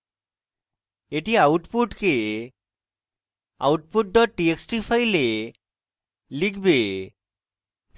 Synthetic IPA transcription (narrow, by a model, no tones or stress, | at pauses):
eʈiawʈpuʈke | a̰wʈpuʈ̚ɖɔʈ̚ːieksʈipʰajle | likʰbe